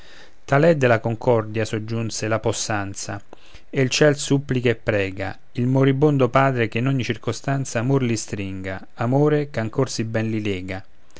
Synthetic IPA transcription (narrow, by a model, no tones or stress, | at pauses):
t̪alɛd̪ːelakoŋkʰɔrd̪jasod͡ʒːunselaposːant̪sa̰ | elt͡ʃɛlsupːlikaepːɾɛːɡa̰ | ilmoɾibond̪opaːd̪ɾekenɔɲːit͡ʃirkost̪ant̪saːmorlist̪ɾiŋɡa | amoːɾekaŋkorsibɛnlilɛːɡa